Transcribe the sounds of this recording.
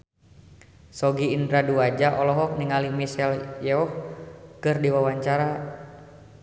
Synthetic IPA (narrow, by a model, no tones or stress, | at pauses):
sɔɡiːndɾaduad͡ʒaʔɔlɔɦɔk̚niŋalimisɛljɛɔhkɨrdiwawaɲt͡ʃaɾa